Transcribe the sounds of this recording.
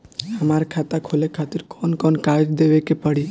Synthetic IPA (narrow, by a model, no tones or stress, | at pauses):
əmaɾkʰat̪akʰolekʰat̪iɾkʰɔnkɔnkad͡ʒd̪eʋekepəɽi